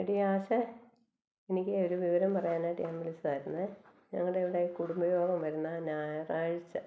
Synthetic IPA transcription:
eɽiaːɕɐ | enikʲːɨoɾuʋiʋɐɾɐmpɐrɐjaːnaːjʈiːmʋɐɭit͡ɕːɐðaːjɾunːɐðɲɐ̰ŋːɐɭeeʋiɽeːikuɽumbɐjoːɡɐmʋɐɾunːɐnaːjɐraːɻit͡ɕːɐ

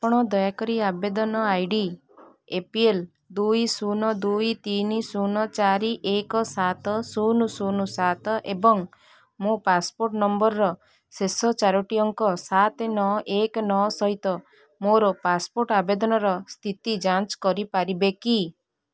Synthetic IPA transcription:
apɔɽ̃ɔd̪ɔjakɔɾiabed̪ɔnɔajɖi | epiel | d̪ujsunɔd̪ujt̪inisunɔt͡ʃaɾiʔekɔsat̪ɔsunusunusat̪ɔʔebɔŋ | mopaspoɾʈnɔmbɔɾɾɔ | sesɔt͡ʃaɾɔʈiɔŋkɔsat̪enɔʔekɔnɔsɔɦit̪ɔ | moɾɔpaspoɾʈabed̪ɔnɔɾɔst̪ʰit̪id͡ʒãnt͡ʃkɔɾipaɾibeki

